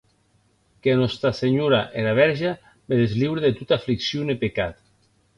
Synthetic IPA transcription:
keanɔst̪ɾaseɲoɾaʔeɾaβ̞ɛɾʒa | beðezliwɾeðet̪ut̪afliksjonepekat̪

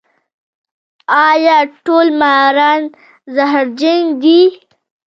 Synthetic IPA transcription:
ɑjɑʈolmajɾɑn | zaɦaɾd͡ʒaŋɡd̪i

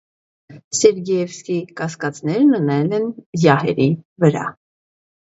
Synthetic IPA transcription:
sɛɾɡɛjɛvskikɑskɑt͡snɛɾnənɛlɛnjɑhɛ̰ɾivəɾɑ̰

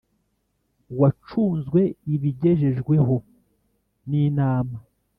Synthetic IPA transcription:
wat͡ʃuːnzɡwe̞iβiɟe̞ʒe̞ʒɡwe̞ɦo̞ | niːnaːma

